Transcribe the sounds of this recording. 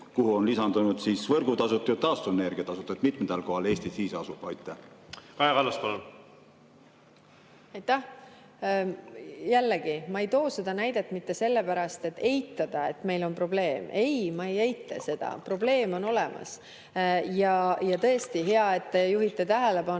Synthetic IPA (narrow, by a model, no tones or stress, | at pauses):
kuhuonlisɑnd̪unud̪siːsvɤɾɡut̪ɑsut̪ːˑujut̪ːɑːst̪ueneɾɡiɑt̪ɑsut̪ːˑut̪mit̪ˑmet̪ɑlko̞hɑle̞ːst̪isiːsɑsub̥ɑjt̪ːˑæhkɑjɑkɑlːɑspɑlun | ɑjt̪ːæh | jælːeɡ̥imɑe̞jt̪o̞ːse̞d̪̥ɑnæjd̪e̞t̪ːˑmit̪ːe̞se̞lːe̞pæɾɑst̪e̞t̪ːe̞jt̪ːˑɑd̪̥ɑe̞t̪ːme̞jlo̞npro̞ble̞ːme̞jmɑejejt̪ːˑḛse̞d̪̥ɑ̰pro̞ble̞ːmo̞no̞lemɑ̰s | jɑjɑt̪ɤ̞est̪iɦeɑe̞t̪ːejuɦit̪ːˑet̪æɦele̞pɑn